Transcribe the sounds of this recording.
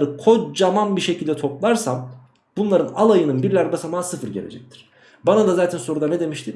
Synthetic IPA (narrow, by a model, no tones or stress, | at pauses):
ɾɯkʰo̞t͡ʃd͡ʒamanbiʃe̞cʰilʲd̪ɛt̪ʰo̞plˠaɾsam | b̥unlˠaɾɯnalˠajɯnɯnbiɾlʲæɾbasamasɯfɯɾɟe̞lʲḛd͡ʒɛc̚t̪ʰi̥ɾ̥ | banad̪azaːt̪ʰɛnso̞ɾud̪anɛd̪e̞miʃt̪ʰim